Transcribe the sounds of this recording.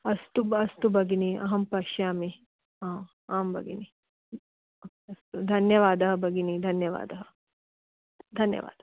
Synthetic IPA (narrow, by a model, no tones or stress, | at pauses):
ɐst̪ubɐst̪ubɐɡiniʔɐ̰ɦɐmpɐʃjaːmi | ãː | aːmbɐ̰ɡḭni | okːɐst̪ud̪ʱɐnjɐʋaːd̪ɐɦɐ̆bɐɡinid̪ʱɐnjɐʋa̰ːd̪ɐɦɐ | d̪ʱɐnjɐ̰ʋa̰ːd̪̥ɐ